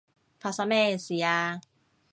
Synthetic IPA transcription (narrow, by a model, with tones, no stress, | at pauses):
pʰa˧sa˧me˧si˨jaː˧